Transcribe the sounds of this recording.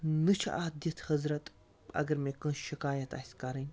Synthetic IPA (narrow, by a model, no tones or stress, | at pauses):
nɨt͡ʃʰʔaːd̪ɐt̪ʰhɐzɾɐt̪ | ɐ̰ɡɐɾmeːkə̃nʃikaːjɐt̪a̰sʲkɐɾɨnʲ